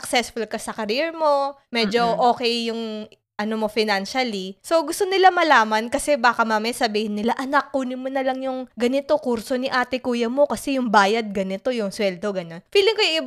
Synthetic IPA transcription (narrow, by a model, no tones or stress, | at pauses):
ɐksɛsfʊlkɐsɐkɐɾiɛɹmo̞ | mɛd͡ʒo̞ʔoːkɛjːʊŋ | ʔɐnomo̞fɪnanʃɐliso̞ɡʊst̪onɪlamɐlaːmɐnkɐsɛbaːkɐmɐmɛsɐbiːhɪnːɪlaʔɐnɐk̚ːunɪmonɐlɐŋjʊŋɡɐnɪt̪o̞kuɾso̞nɪʔaːt̪ɪkuːjɐmo̞kɐsɛjʊŋbaːjɐd̪̚ɡɐnɪt̪o̞jʊŋswɛld̪o̞ɡɐno̞nfiːlɪŋkojʊŋɪb